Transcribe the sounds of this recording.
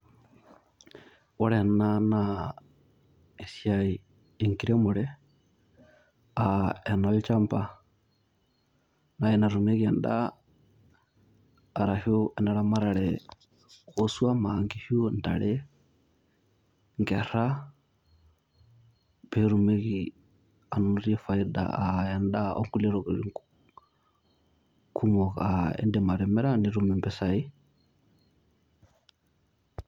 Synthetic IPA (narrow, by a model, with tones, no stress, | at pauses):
ɔɺɛnana | e˨siai | eŋkiɾɛmʊɺɛ | aɛnɔlt͡ʃampa | naɛnaɾume˦kiɛ˨nda | ɾahuɛnaɺamaɾaɺɛ | ɣosuamaŋɡihu˦n̩da̰ɺɛ | ŋɡɛ˨ɾa˦ | pɛ˨ɾu˨mɛ˦ki˨ | a˨nuɾi˦ɛ˦fa˨i˦da̰˨a˨ja˨nɗa˦ʔɔ̰˦ŋɡu˦lɛ˦ɾɔ˨ɡɾḭ˨ | kʰu˦mɔ˨ka̰˨ɛ̰˦ndɛ˦ma˨ɾɛ˨mɛ˦ɾa˦ni˨ɾu˦mɛ˨mbɛ˨sa˨i˦